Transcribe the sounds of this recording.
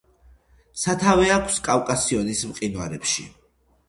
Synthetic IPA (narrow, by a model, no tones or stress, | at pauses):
sat̪ʰavɛakʷʰskʼawkʼasiɔnismqʼinwaɾɛpʃḭ